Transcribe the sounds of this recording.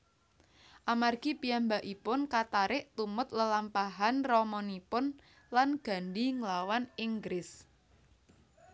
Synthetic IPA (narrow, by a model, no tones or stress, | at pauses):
ʔamarɡ̥ipijambaʔipʊnkat̪aɾɪʔt̪umʊt̪̚ləlampaɦanrɔmɔnipʊn | lanɡ̥a̤ndiŋlawaniŋɡɾɪs